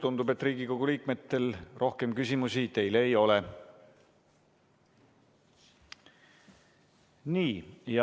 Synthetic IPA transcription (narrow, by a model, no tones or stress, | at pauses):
t̪und̪ube̞t̪ːˑriːɡiko̞ɡ̥uliːkme̞t̪ːe̞lrʔo̞hke̞mkysimusit̪e̞jleːjo̞le | niːjɑ